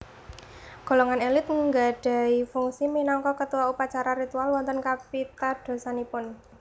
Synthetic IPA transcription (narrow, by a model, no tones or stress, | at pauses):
ɡ̥o̤lɔŋanelɪt̪̚ŋəŋɡa̤ɖ̥a̤ifuŋsiminɔŋkɔkət̪uwaupat͡ʃaɾaɾit̪ualwɔnt̪ənkapit̪ad̥o̤sanipʊn